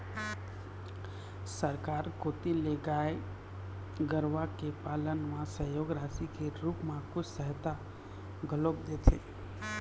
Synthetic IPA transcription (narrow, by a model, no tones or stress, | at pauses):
səɾkaːɾkot̪ileɡae | ɡəɾʋakepalənmãsəjoːɡɾasikeɾupmãkʊt͡ʃʰsəɦt̪a | ɡʱəlobd̪et̪ʰḛ